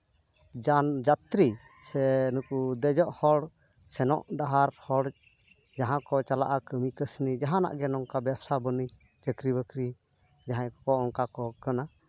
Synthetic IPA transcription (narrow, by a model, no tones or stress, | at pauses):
d͡ʒand͡ʒat̪ɾi | sɛnukud̪ɛd͡ʒɔʔhɔɽ | sɛnɔ̰ʔɖaɦaɾhɔɽ | d͡ʒaɦãkɔt͡ʃala̰ʔakəmikəsnid͡ʒaɦãna̰ʔɡɛnɔŋkabɛbsabəni | t͡ʃəkɾibəkɾi | d͡ʒaɦãjɔkɔɔŋkakɔkana